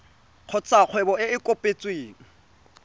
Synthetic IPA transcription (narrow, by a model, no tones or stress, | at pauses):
q͡χʰʊt͡sʼak͡xʰwɛbɔɪɪkʼopʼet͡sʼweːŋ̩